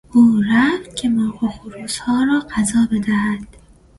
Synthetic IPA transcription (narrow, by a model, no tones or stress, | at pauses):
uːɾæft̪kʰemɒːɡoxoɾuːshɒːɾɒːɢæzɒːbe̞d̪æhæd̪̥